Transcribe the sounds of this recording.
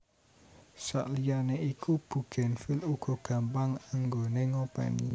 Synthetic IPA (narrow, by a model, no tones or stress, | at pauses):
sa̰ʔlijaneikub̥ṳɡ̥ɛ̤nfiluɡ̥ɔ̤ɡ̥a̤mpaŋaŋɡoneŋopa̰ni